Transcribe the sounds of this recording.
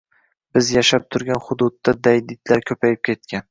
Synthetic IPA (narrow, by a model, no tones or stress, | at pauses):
b̥ɪzjaʃap̚t̪ʰʊɾɡʲanχʊd̪ʊd̪ːad̪ajd̪ɪd̪laɾkʲʰɵpʰajɪp̚kʲʰe̞t̪̚kʲʰan